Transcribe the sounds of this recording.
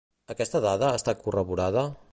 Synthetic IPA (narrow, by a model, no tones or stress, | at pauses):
əkɛst̪əðaðəːst̪akurəβuɾaðə